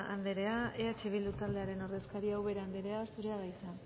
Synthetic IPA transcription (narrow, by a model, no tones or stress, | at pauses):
ʔand̪e̞ɾe̞aʔeat͡ʃiβ̞ild̪ut̪ald̪e̞aɾe̞no̞ɾðe̞skaɾiawβe̞ɾeand̪e̞ɾe̞asuɾe̞aðajt͡san